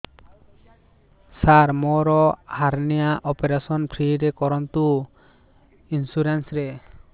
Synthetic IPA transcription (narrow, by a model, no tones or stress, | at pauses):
saɾmɔɾɔhaɾnɛjaʔɔpeɾasɔnpʰɾiɾɛkɔɾɔnt̪u | insuɾensɾɛ